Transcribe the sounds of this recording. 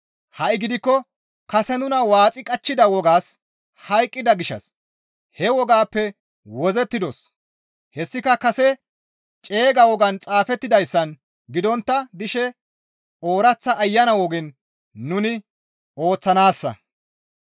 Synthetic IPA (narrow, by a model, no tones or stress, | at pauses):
hɐʔɪɡɪd̪ɪkːɔ | kɐsɛnʊnɐwaːt͡sʼɪkʼɐt͡ʃːɪd̪ɐwɔɡaːs | hɐjkʼːɪd̪ɐɡɪʃɐ̰s | hɛwɔɡaːpːɛ | wɔzɛt̪ːɪd̪ɔs | hɛsːɪkɐkɐsɛ | t͡ʃʼe̞ːɡɐwɔɡɐnt͡sʼaːfɛt̪ːɪd̪ɐjsːɐn | ɡɪd̪ɔnt̪ːɐd̪ɪʃɛ | o̞ːɾɐt͡sːɐʔːjːɐnɐwɔɡɪnː | ʊnɪ | o̞ːt͡sːɐnaːsːɐ̰